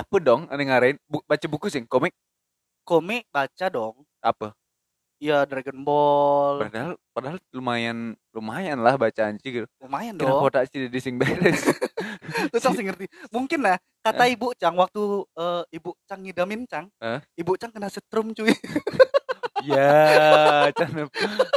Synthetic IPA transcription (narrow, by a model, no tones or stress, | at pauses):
apədɔŋa̰niŋaɾaɪnbubat͡ʃabukusɪŋkomɪʔ̚ | komɪʔ̚bat͡ʃadɔŋ | a̰pə | jadɾeɡənbɔlpadaɦalpadaɦallumajanlumajanlahbat͡ʃaːɲt͡ʃiɡit̪ulumajandiɔɾakot̪asididisɪŋbeɾɛs | t̪ut͡ʃaŋsɪŋərt̪imuŋkɪnːah | kat̪aibut͡ʃaŋwak̚t̪uəibuʔt͡ʃaŋidamɪnt͡ʃaŋəibut͡ʃaŋkənasət̪ɾʊmt͡ʃui | ja | t͡ʃanp